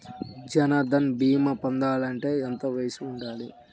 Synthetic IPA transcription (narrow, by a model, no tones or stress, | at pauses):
d͡ʒɐnɐd̪ɐnbiːmɐpɐnd̪aːlɐɳʈe̞ːent̪ɐʋɐjsiuɳɖaːli